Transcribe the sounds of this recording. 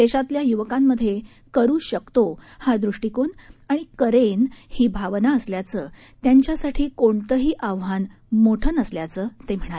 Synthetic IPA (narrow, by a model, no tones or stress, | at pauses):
d̪eɕat̪ljajuʋəkamːəd̪ʱːje | kəɾuːɕəkt̪ohad̪ɾuʂʈikonaɽ̃ikəɾenhiːbʱaʋnaəsljat͡səː | t̪jaɲt͡ɕjasaʈʰiːkoɳt̪əɦiːʔaʋɦan | moʈʰənəsljat͡səːt̪em̤əɽ̃ae